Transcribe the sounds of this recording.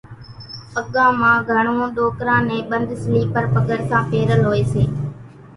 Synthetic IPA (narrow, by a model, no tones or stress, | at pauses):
əɠãːmãːɡʱəɳõːɗoːkɾãːnẽːɓənd̪sliːpəɾpəɠəɽsãːpeːɾəlɦoːeːseː